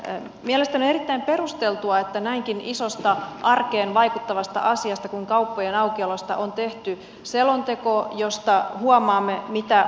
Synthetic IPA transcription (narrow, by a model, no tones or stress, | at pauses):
miælest̪ænonerit̪ːæimpe̞rust̪elt̪uɑet̪ːænæiŋkinisost̪ɑʔɑrkeːnʋɑikut̪ːɑʋɑst̪ɑ̰ʔɑsiɑst̪ɑkuiŋkɑuwpːojenɑuwkiɑlost̪ɑ̰ʔont̪eht̪y | selont̪ekojo̞st̪ɑhuɑmɑːmːemit̪æ